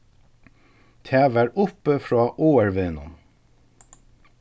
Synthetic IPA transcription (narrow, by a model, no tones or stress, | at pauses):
t̪ʰeːʋæɾʔʊpəfɹɑːʔoːæɹʋeːnʊ̰m